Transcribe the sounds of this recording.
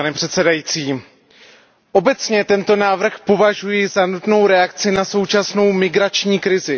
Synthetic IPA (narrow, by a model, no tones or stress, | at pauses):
anɛpr̝̥ɛt̪sɛdajiːt͡siː | ʔo̞bɛt͡sɲɛt̪ɛnt̪o̞naːvr̩xpo̞vaʒujɪzanut̪no̞wɾɛakt͡sɪnaso̞wt͡ʃasno̞wmɪɡɾat͡ʃɲiːkɾɪzɪ